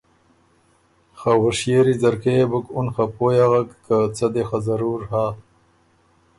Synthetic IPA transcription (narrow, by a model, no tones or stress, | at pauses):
xawəʂjeɾizɐɾkebukunxapojaɣakːat͡sad̪exazaɾuːɾhaː